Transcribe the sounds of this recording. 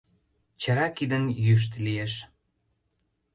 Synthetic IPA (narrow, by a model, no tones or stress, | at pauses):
t͡ɕɑɾɑkid̪ənjyʃ̬t̪lijeʃ